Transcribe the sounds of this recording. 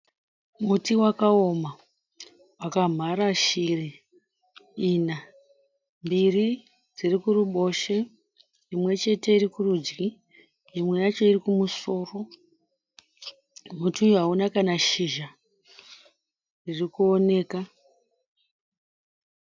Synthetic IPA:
mutiwakaoma | wakam̤aɾaʃiri | iːna | mbiri | d͡zirikuruɓo̞ʃe̞ | imwe̞t͡ʃe̞te̞iɾikurud͡ʒɡi | imwejat͡ʃo̞irikumuso̞ːro̞ | mutuɦaunakanaʃiʒa | ririkuo̞ne̞ːka

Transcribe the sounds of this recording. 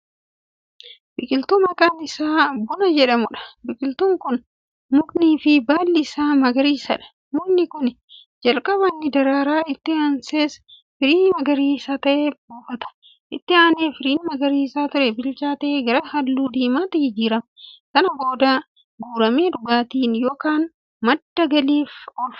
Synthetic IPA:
bɪkʼɪlt̪uːmɐkʼanɪsaːbʊnɐd͡ʒɛᶑɐmʊᶑɐ̥bɪkʼɪlt̪uːŋkʊn | mʊkʼniːfɪbaːlːɪsaːmɐɡɐɾiːsɐ̰ᶑɐ̥ | mʊnːɪkʊn | d͡ʒɐlkʼɐβɐnːɪd̪ɐɾaːɾaːɪt̪ːɪanseːs | fɪɾiːnmɐɡɐɾiːsaːt̪ɐʔeːbuːfɐt̪ɐ̥ | ʔɪt̪ːɪaːneːfɪɾiːnmɐɡɐɾiːsaːt̪ʊɾɛbɪlt͡ʃaːt̪ɐʔeːɡɐɾɐhɐlːuːd̪iːmaːt̪ɐhɪd͡ʒiːɾɐmkɐnɐbo̞ːd̪aː | ɡuːɾɐme̞ːᶑʊɡaːt̪iːnjo̞ːkaːn | mɐd̪ːɐɡɐliːfɔf

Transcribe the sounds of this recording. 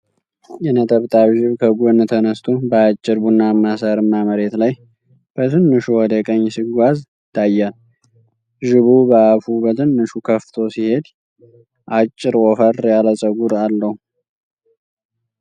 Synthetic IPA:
jɛnət̪ʼəβt̪ʼaβʒɪβkʰəɡont̪ʰənəst̪ʰubəat͡ʃʼːɪɾbunːamːasaɾɨnːaməɾe̞t̪laj | b̥ət̪ʰɨnːɨʃuwɔd̪əkʼəɲːsɨɡʷazɪt̪ʰːajːal | ʒɪβubəafubət̪ʰɨnːɨʃukʰəft̪ʰo̞sihe̞d̪ | ʔat͡ʃʼːɪɾɔfəɾjaləsʼəɡuɾalːəhu

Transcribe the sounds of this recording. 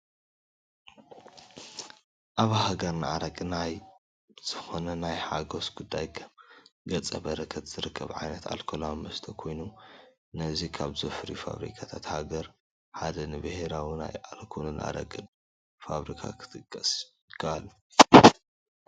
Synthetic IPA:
ʔaβɦaɡɐɾnɨaɾɐkʼinaj | z̥ɨxonɐnajħaɡo̞sɡud̪ːajkʰɐmɡɐt͡sʼɐbɐɾɐkʰɐt̪z̥ɨɾɨkʰːɐβʕajnɐt̪a̰lkʰolamːɐst̪ʰɐkʰo̞jnu | nɐzikʰaβzɐfɨɾiufa̰βɾḭkʰat̪ʰat̪haɡɐɾ | ħad̪ɐnɨbɨheɾawina̰jalkʰolɨnʔa̰ɾɐ̰kʼɨn | faβɾikʰa̰kʰɨ̥t̪ʰɨkʼːɐsjɪkʰːɐalːu

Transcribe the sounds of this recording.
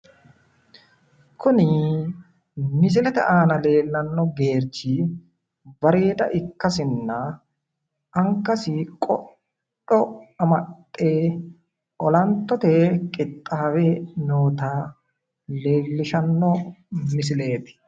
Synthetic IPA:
kʰʊnɪ | mɪs̬ɪlɛt̪ɛ̰ʔaːnɐle̞ːlːɐnːɔɡe̞ːɾd͡ʒi | bɐɾeːt̪ɐ̰ʔɪkːɐsɪnːɐ | ɐŋkːɐsɪkʼɔ | ᶑɔɐmɐtʼːeː | ʔɔlɐnt̪ːɔt̪ekʼɪt̪ʼːaːwenoːt̪aː | le̞ːlːɪʃɐnːɔmɪs̬ɪle̞ːt̪ɪ̥

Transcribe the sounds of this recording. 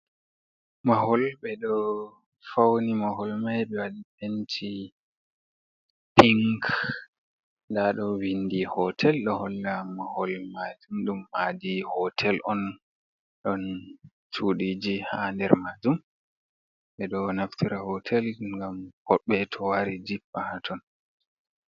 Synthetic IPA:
maɦɔlɓɛɗɔ | fawnimaɦɔlmajɓɛwaɗipentʰi | piŋk | ndaɗɔwindihɔtʰɛlɗɔhɔlːamahɔlmad͡ʒumɗumːadihɔtʰɛlʔɔn | ɗɔn | t͡ʃuɗid͡ʒihandɛɾmad͡ʒum | ɓɛɗɔnaftʰiɾahɔtʰɛlŋɡamhɔɓɛtʰɔwaɾid͡ʒibahatʰɔn

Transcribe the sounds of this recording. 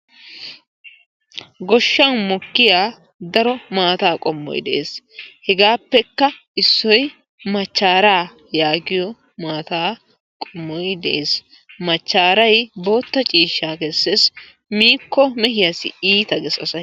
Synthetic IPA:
ɡɔʃːɐnmɔkːɪjaː | d̪ɐɾɔmaːt̪aːkʼɔmːɔ̰jd̪ɛʔeːshɛɡaːpːɛkːɐ | ɪsːɔj | mɐt͡ʃːaːɾaː | jaːɡɪjɔ | maːt̪aː | kʼɔmːɔjd̪ɛʔeːs | mɐt͡ʃːaːɾɐjbo̞ːt̪ːɐt͡ʃʼiːʃːaːkɛsːes | miːkːɔmɛhɪjɐsɪ̰iːt̪ɐɡɛsɐsɐj

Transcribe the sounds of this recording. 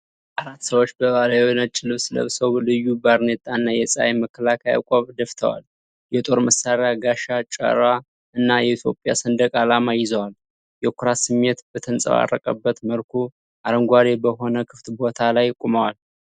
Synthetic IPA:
ʔaɾat̪ːsəwot͡ʃːbəβalajwnət͡ʃʼɪlɨβsɨlə̰βsəwlɨjːubaɾnet̪ʼanːajɛsʼa̰jməkʰːəlakʰəja̰kʼoβd̪əft̪ʰə̰wa̰l | jɛt̪ʼo̞ɾməsaɾejaɡaʃat͡ʃʼə̰ɾwa | ɨnːajɛit̪ʰjo̞̰pʼja̰sənd̪əkʼalamajɪzəwal | jɛkʰuɾasɨmːet̪b̥ət̪ʰənsʼə̰βa̰rːə̰kʼə̰bːət̪məlkʰu | ʔaɾəŋɡʷaɾebəɦo̞nəkʰɨft̪bo̞t̪ʰalajkʷʼuməwal

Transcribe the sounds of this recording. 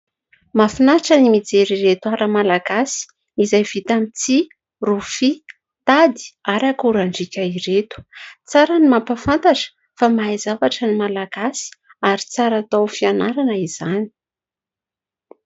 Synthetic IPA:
mafinaʈ͡ʂənimid͡zeɾiret̪uaɾəmalaɡasi̥ | izajv̥it̪amit͡si | rufi | t̪ad̪i̥aɾakuɾaɳɖ͡ʐikʲaiɾet̪u̥t͡saɾənimampafant̪aʈ͡ʂə̥ | famajzavaʈ͡ʂənimalaɡ̥asi̥ | aɾit͡saɾat̪awfianaɾanəiz̥ani̥

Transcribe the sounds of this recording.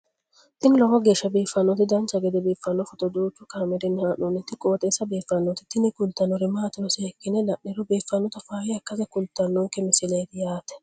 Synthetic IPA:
t̪ɪnɪlɔɡɔɡe̞ːʃːɐbiːfːɐnːɔt̪ɪd̪ɐnt͡ʃːɐɡɛd̪ɛbiːfːɐnːɔfɔt̪ɔd̪uːt͡ʃːʊkaːmɛd̪ɛnːɪhaːnɔnɪt̪ːɪkʼoːt̪ʼeːsːɐbeːfːɐnːɔt̪ɪt̪ɪnɪkʊlt̪ːɐnːɔɾɪmaːt̪ɪɾɔsɛkːɪnɛlɐʔːɪɾɔbiːfːɐnːɔt̪ɐfaːhɪɐkːɐzɛkʊlt̪ːɐnːɔŋkːɛmɪsɪlɐjd̪ɪjaːt̪ɛ̥

